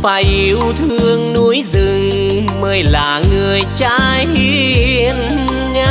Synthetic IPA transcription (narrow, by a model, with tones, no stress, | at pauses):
fa˨˧˩jʔi˨˧˦wt̪ʰɨ˧əŋnu˨˦jzɨ˨˩ŋ | məː˧˦jlaː˨˩ŋɨ˨˩əjt͡ɕaː˧ji˧˦i˧ən | ŋa˧˦